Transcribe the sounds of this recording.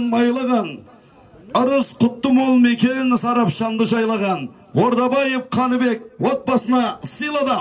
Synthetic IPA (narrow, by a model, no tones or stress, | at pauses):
nmɑjlˠəʁən | ʊɾəsqʰʊt̪ːəmolˠmekʲe̞nɪnsɑɾɑpʃɑmd̪əʒɑjlˠɑʁɑn | woɾd̪ɑbɑjefqʰɑnəbe̞kwo̞t̪̚bɑsənɑsijlˠɑd̪ɑ